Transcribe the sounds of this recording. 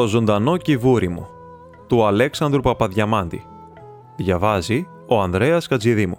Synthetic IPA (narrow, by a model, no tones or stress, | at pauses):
to̞zo̞nd̪ɐno̞civuɾimṵ | t̪uɐle̞ksɐnd̪ɾupɐpɐðʝɐmɐnd̪ḭ | ðʝɐvɐzi | o̞ɐnðɾe̞ɐskɐd͡ziðimu